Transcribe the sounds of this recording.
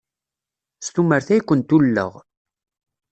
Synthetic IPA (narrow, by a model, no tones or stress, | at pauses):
st̪uməɾθæjkʷːənt̪ulːə̰ʁ